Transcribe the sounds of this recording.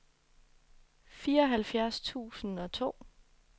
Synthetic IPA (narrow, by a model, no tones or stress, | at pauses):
fiːɐɒɦælfjæɐst͡sʰṵːsn̩ɒ̽t͡sʰo̝̰ː